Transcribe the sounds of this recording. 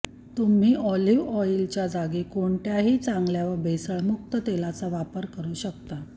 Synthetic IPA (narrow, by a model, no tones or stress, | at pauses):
t̪um̤iːʔɔliʋɔilt͡ɕjad͡zaɡikoɳʈ̪jaɦiːt͡saŋɡljaʋəɾbʱesəɭmuk̚t̪ət̪elat͡saʋapəɾkəɾuːɕəkt̪a